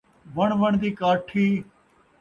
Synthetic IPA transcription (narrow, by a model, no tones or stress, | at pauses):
ʋəɳʋəɳd̪iːkaːʈʰiː